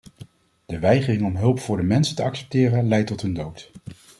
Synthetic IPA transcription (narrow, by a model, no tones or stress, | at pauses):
d̥əʋɛjχərɪŋɔmɦɵlˠpfʊːɹdəmɛnsəntəɑksɛ̥p̚tɪːrənlɛjtɔtɦɵndowt